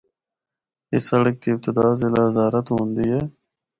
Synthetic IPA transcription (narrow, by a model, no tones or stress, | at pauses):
ɪsːɐɽək̚t̪iːb̚t̪ɪd̪aːzɪlaːzaːɾət̪ɦõːnd̪iɦeː